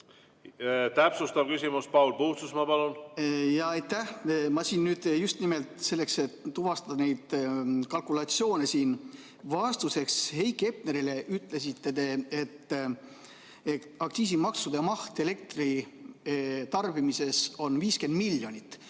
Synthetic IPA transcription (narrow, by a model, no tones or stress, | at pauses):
t̪æpsust̪ɑvkysʲimuspɑwlpuːt̪susmɑpɑlunjɑɑjt̪ːæhmɑsiːnnyːd̪̥just̪nime̞lt̪se̞lːe̞kse̞t̪ːuvɑst̪ɑd̪̥ɑne̞jd̪̥kɑlkulɑt̪sjo̞ːne̞siːn | vɑst̪use̞kshe̞jkːˑe̞p̚neɾile̞ʔyt̪ˑle̞sit̪ːe̞t̪e̞et̪ː | e | ɑksiːs̬imɑksud̪̥emɑht̪e̞le̞k̚t̪ri | t̪ɑrb̥imise̞so̞nviːske̞nd̪miljo̞nʲit̪ˑː